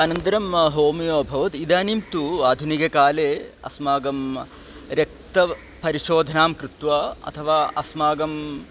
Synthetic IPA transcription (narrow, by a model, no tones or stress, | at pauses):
aːnɐnt̪ɐɾɐmɦoːmijoːbʱɐʋɐt̪id̪aːnimt̪uaːd̪ʱunikɐkaːleːɐ̰smaːɡɐm | ɾjɐk̚t̪ɐ | pɐɾiʃoːd̪ʱɐnaːmkɾut̪ʋaːɐ̰t̪ʰɐʋaːɐsmaːɡɐm